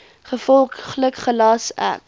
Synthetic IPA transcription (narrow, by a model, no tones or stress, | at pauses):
χəfɔlˠχləkχəlɑsæ̰p̚